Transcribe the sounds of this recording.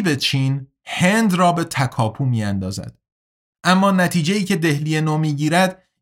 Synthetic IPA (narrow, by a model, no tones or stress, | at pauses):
be̞t͡ʃʰiːn | hend̪rɒːbe̞t̪ʰækʰɒːpʰuːmiːænd̪ɒːzæ̰d̪̥ | ʔæmːɒːnæt̪ʰiːd͡ʒejiːcʰe̞d̪e̞hliːjenoːmiːɟiːɾæd̪